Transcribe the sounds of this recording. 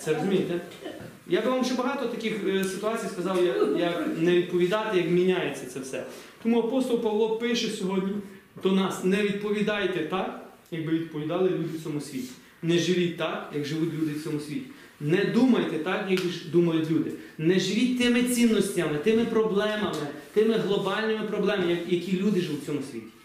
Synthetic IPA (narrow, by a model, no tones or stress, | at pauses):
t̪sɛɾɔzʊmʲijt̪ɛ | jabɪʋɑmʒɛbɐɦɑt̪ɔt̪ɐkɪxsɪt̪ʊɑt͡sʲijskɐzɑwjɐkjɐknɛʋʲid̪̚pɔʋʲid̪ɑt̪ɛjɐkmʲinʲajet͡sʲːɐt̪sɛwsɛ̰t̪ɔmuɐpɔst̪ɔlˠpɐʋlˠɔpɪʃɛsʲɔɦɔdʲnʲi | d̪ɔnɑsnɛʋʲid̪̚pɔʋʲid̪ɑjt̪ɛt̪ɑk | jɐɡ̚bɪʋʲid̪̚pɔʋʲid̪ɑlˠɪlʲud̪ʲɪwt̪ʲsʲɔmusʲʋʲitʲi̥ | nɛʒɪʋʲit̚ʲt̪ɑkjɐkʒɪʋutʲlʲud̪ɪwt͡sʲɔmʊsʲʋʲitʲi̥ | nɛd̪umɐjt̪ɛt̪ɑkjɐkiʒd̪umɐjʊtʲlʲud̪ɪnɛʒɪʋʲit̚ʲt̪ɪmɪt͡sʲinːɔsʲtʲɐmɪt̪ɪmɪpɾɔblˠɛmɐmɪt̪ɪmɪɦlˠɔbɑlʲnɪmɪpɾɔblˠɛmɪjɐkjɐkʲilʲud̪ɪʒɪut͡sʲɔmʊsʲʋʲḭtʲi̥